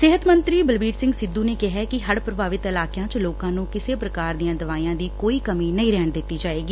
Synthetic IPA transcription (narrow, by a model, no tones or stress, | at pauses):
sɪɦət̪mənt̪ɾiːbəlbiːɾsɪ̃ŋɡsɪd̪uːneːkɪɦɛːkɪɦəɽpɾəbʱaːʋɪt̪ɪlaːkjãːt͡ʃloːkãːnũːkɪseːpɾəkaːɾd̪ijãːd̪əʋaːijãːd̪iːkoːiːkəmiːnəĩːɾɛːɳd̪ɪt̪ːiːd͡ʒaːeːɡiː